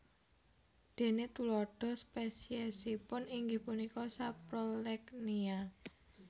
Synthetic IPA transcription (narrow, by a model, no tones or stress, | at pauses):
d̪̥e̤net̪ulɔɖ̥ɔ̤spesiɛsipʊniŋɡɪhpunikɔsapɾolɛknia